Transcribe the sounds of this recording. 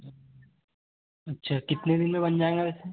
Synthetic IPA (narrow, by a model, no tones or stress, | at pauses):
ɐtːʃʰakɪt̪ned̪ɪnmẽbɐnd͡ʒaːẽŋɡabɛːse